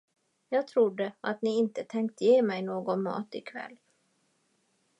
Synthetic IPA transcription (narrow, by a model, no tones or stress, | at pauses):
jɑːɡ̚t̪ʰɾʊd̪ːəʔat̪nɪɪnt̪ət̪ʰɛŋkt̪jeːmɛjnoːɡɔnmɑ̰ːt̪ɪkʰvɛ̰lː